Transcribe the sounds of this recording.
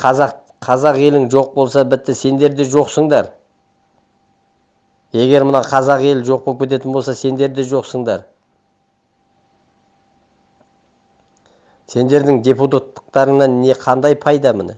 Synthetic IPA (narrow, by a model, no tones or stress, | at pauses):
qʰɑzɑq | qʰɑzɑqe̞lɪŋʒo̞q̚bo̞lˠsɑbɪt̪ːɪse̞nd̪e̞ɾd̪eʒo̞qsəɴd̪ɑɾ | e̞ɡʲe̞ɾmənɑqʰɑzɑqe̞lʒo̞q̚pok̚ʲʰe̞t̪e̞t̪ɪnbo̞lsɑse̞nd̪e̞ɾd̪eʒo̞qsəɴd̪ɑɾ | se̞nd̪e̞ɾd̪ɪŋd̪ʲe̞put̪at̪ːə̥qt̪ɑɾəɴnɑnːe̞qʰɑnd̪ɑjpʰɑjd̪ɑmɪnɪ